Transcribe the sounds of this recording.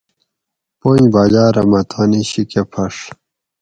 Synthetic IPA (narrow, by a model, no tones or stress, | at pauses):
poɲ̃ibad͡ʑaːɾɐmɐt̪ʰaːniɕikepʰɐʂ